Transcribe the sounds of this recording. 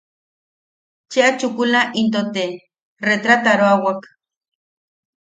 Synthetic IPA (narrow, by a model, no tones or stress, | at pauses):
t͡ʃeat͡ʃukulaʔint̪ot̪e | ret̪ɾat̪aɾoawak